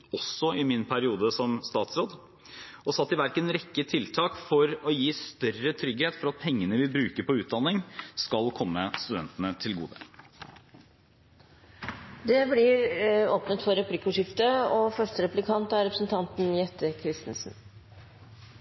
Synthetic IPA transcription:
ɔsːɔɪmɪnpʰæɾɪuːd̪əsɔmst̪ɑːt̪sɾoːd̪ | ɔsɑt̪ːɪʋæɾkənɾɛkːət̪ʰɪlt̪ʰɑːkfɔɾɔjiːst̪œrət̪ʰɾʏɡheːt̪fɔɾɑt̪̚pʰɛŋːənəʋɪbɾʉːkəɾpɔʉːt̪̚d̪ɑnːɪŋskɑlkʰɔmːəst̪ʉd̪ɛnt̪ənət̪ʰɪlɡṵːd̪ə | d̪ɛblɪɾoːpnət̪fɔɾɛpʰlɪkːʊʂɪft̪əɔfœʂʈəɾɛplɪkʰɑnt̪æɾɛpɾəsn̩t̪ʰɑnt̪n̩jɛt̪ːəkʰɾɪst̪n̩sn̩

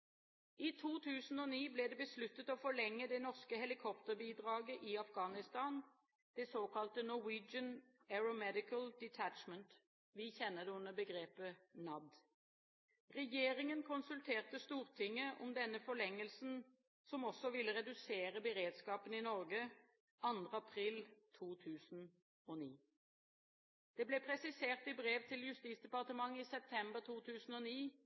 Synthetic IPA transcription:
it̪ʰuːt̪ʰʉːsn̩ɔːniːblɛːd̪ɛbəslʉt̪ːət̪ɔfɔɭɛŋːəd̪ɛnɔʁskəhɛlɪkʰɔpt̪əʁbiːd̪ʁɑːɡəʔɪɑfɡɑːnɪst̪ɑːn | d̪̥ɛsoːkʰɑlt̪ənɔwiːd͡ʒən | æɹʊmɛd̪ɪkəld̪ɛt̪ʰæt͡ʃmənt̪ | ʋɪçɛnːəʁd̪ɛʉnəbəɡʁeːpənɑd̪ | ʁɛjeːʁɪŋənkʰʊnsʉlt̪ʰeːʁt̪əst̪uːʁt̪ʰɪŋːəʔɔ̰md̪ɛnːəfɔɭɛŋːəlsn̩ | sɔmɔsɔʋɪlːəʁɛd̪ʉseːʁəbəʁeːd̪skɑːpəninɔʁɡə | ʔɑnd̪ʁəɑpʰʁiːlt̪ʰuːt̪ʰʉːsn̩ | ɔniː | d̪̥ɛːblɛːpʰʁɛsɪseːʁt̪ɪbʁeːʋt̪ʰɪljʉst̪iːt̪sd̪ɛpɑʁt̪əmɑŋːiːsɛp̚t̪ʰɛmbəʁt̪ʰuːt̪ʰʉːsn̩ɔniː

